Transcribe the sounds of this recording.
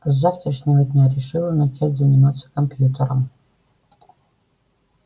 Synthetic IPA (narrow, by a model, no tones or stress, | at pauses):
zaft̪ɾəʂnʲɪvəd̪ʲnʲaɾʲɪʂɨlˠənat͡ʃatʲzɐnʲɪmat̪sːə̥kɐmpjut̪ʲəɾə̰m